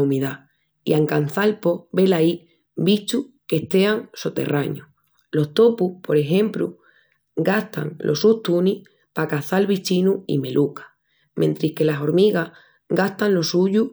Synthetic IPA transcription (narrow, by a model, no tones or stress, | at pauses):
umiða | iaŋkan̟θalpo̞be̞lai | bit͡ʃuhke̞ht̪e̞aŋsot̪e̞̰rʔaɲu | lo̞ht̪o̞pupo̞ɾe̞xẽ̞mplṵ | ɡaht̪a̰ŋlʔo̞̰suht̪uni | pakaθalβit͡ʃinuḭme̞lʔukḁ | mẽ̞nt̪ɾihke̞laso̞ɾmiɣa | ɡaht̪anlo̞suʎu